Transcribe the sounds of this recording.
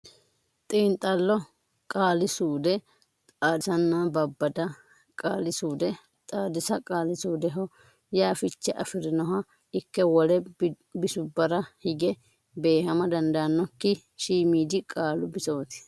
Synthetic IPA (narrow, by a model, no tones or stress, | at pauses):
t̪ʼiːnt̪ʼːɐlːɔ | kʼaːlɪsuːd̪ɛ | t̪ʼaːd̪ɪsɐnːabɐbːɐd̪ɐ | kʼaːlɪsuːd̪ɛ | t̪ʼaːd̪ɪsɐkʼaːlɪsuːd̪ɛɦɔ | jaːfɪt͡ʃːɛʔɐ̰fɪɾɪnɔɦɐ | ɪkːɛwɔlɛ | bɪsʊbːɐɾɐhɪɡɛ | be̞ːhɐmɐd̪ɐnd̪ɐɐnːɔkːɪ | ʃiːmiːd̪ɪkʼaːlʊbɪsoːt̪ɪ̥